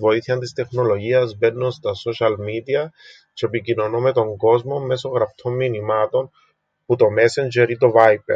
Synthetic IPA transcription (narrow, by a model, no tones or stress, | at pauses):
vo̞iθiɐnt̪ist̪e̞xno̞lo̞ʝiɐzbe̞nːunst̪ɐso̞ʃɐlmid̪iɐ | t͡ʃeepicino̞nome̞t̪o̞ŋɡo̞zmo̞me̞so̞ɣɾɐft̪ʰo̞mːinimɐt̪o̞n | put̪o̞me̞send͡ʒeɾit̪o̞vajpḛ